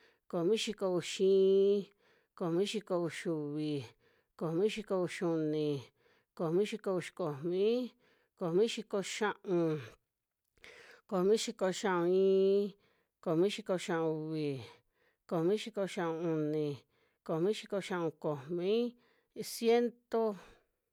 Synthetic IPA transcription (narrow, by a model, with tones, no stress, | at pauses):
ko˨mĩ˦ʃi˧ko˧u˧ʃĩː˦˧ | ko˨mĩ˦ʃi˧ko˧u˧ʃu˧βi˨ | ko˨mĩ˦ʃi˧ko˧u˧ʃu˧nĩ˨ | ko˨mĩ˦ʃi˧ko˧u˧ʃi̥˧ko˨mĩ˦ | ko˨mĩ˦ʃi˧ko˧ʃã˧ʔũ˧ | ko˨mĩ˦ʃi˧ko˧ʃã˧ʔõ˧ĩː˧˦ | ko˨mĩ˦ʃi˧ko˧ʃã˧ʔõ˧u˧βi˨ | ko˨mĩ˦ʃi˧ko˧ʃã˧ũ˧u˧nĩ˨ | ko˨mĩ˦ʃi˧ko˧ʃã˧ʔũ˧ko˨mĩ˦ | sje˦nt̪o˧